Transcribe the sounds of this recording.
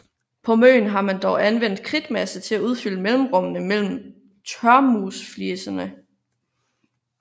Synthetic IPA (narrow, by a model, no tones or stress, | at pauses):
pʰɒ̽mø̰ːn̩ɦɑ̈mænd̥ɒʊʔænʋen̰d̥̚kʰʁid̥mæsət͡sʰe̝læuð̞ˠfyl̰əmelm̩ʁɔ̽mənəmel̰m̩ | t͡sʰɶɐmusflisɐnə